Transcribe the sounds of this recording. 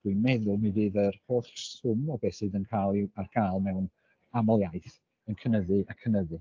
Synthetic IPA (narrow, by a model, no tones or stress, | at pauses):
d̥wimɛðʊmivɨːðərhoːθsʊmɔbɛsɨːdənkʰajlˠiarkʰajlˠmɛwn | amɔlˠjaɨθ | ənkʰənəðɨʔakʰənəðɨ